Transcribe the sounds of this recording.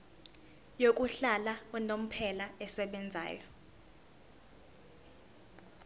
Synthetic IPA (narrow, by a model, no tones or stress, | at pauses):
jok̬ʼuɬalaɛnom̩pʰɛlaɛsɛɓɛnd͡zʱa̰ːjɔ